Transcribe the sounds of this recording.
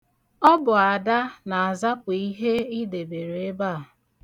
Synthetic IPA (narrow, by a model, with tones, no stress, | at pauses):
ɔ˦bʊ˨a˨da˦na˨a˨za˦pʊ˨i˦ɦe˦i˦de˨be˨ɾe˨e˦ba˦˨